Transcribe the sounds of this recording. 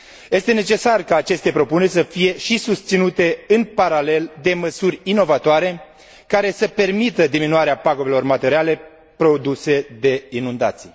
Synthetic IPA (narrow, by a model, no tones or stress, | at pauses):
je̞st̪e̞ne̞t͡ʃe̞sarkaːt͡ʃe̞st̪e̞pɾo̞pune̞rʲsəfije̞ʃisust̪sinut̪e̞ɨnpaɾale̞ld̪e̞məsurʲino̞vat̪oaɾe̞ | kaɾe̞səpe̞rmit̪əd̪iminuaɾeapaɡo̞ve̞lo̞rmat̪e̞ɾiale̞ | pɾo̞d̪use̞d̪e̞inund̪a̰t̪sij